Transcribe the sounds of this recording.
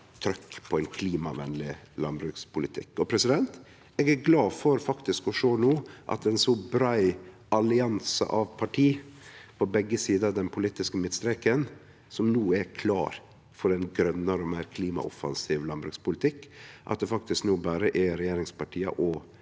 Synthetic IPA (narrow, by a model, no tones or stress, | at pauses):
t̪ʰɾœkːpʰɔɛɪnkʰliːmɑʋɛnlɪlɑnbɾʉkspʰʊlɪt̪ʰɪ̰kːɔpʰɾɛsɪd̪ɛnt̪ | ɛːɡæɾɡlɑːfɔɾfɑkt̪ɪskɔʂoːnuːʔɑ̰t̪ɛnsɔbɾɑɪ | ʔɑlɪɑnsə̰ʔɑʋpʰɑʈʰiːpʰɔbɛɡːəsiːd̪ɑd̪ɛnpʰʊlit̪ɪskəmɪt̪st̪ɾɛkən | sɔmnuːɛɾkʰlɑ̰ːɾ | fɔɾɛnɡɾœnːəɾɔmæɪɾkʰliːmɑ̰ʔɔfɑ̰nsiːʋlɑnbɾʉkspʊlɪt̪ʰɪkːʔɑ̰t̪̚d̪ɛfɑk̚t̪ɪsknuːbæːɾəʔɛɾɛjeːɾɪŋspɑʈʰiːɑ̰ʔɔ